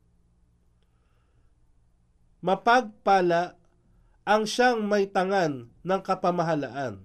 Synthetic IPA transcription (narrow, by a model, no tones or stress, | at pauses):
mɐpaɡ̚paːlaʔ | ɐŋʃaŋmɐjt̪ɐŋanːɐŋkɐpɐmɐɦɐla̰ʔan